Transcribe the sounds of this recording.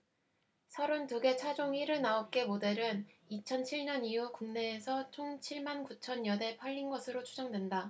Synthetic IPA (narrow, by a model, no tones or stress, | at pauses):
sʰʌɾontuɡe̞t͡ɕʰad͡ʑoŋiɾɯɭnaok͈e̞mode̞ɾɯnit͡ɕʰʌnt͡ɕʰiɭɲʌnijukuŋne̞ːsʰʌt͡ɕʰoŋt͡ɕʰiɭmankut͡ɕʰʌnjʌne̞pʰaʎːinɡʌsʰɯɾot͡ɕʰud͡ʑʌŋdwe̞nda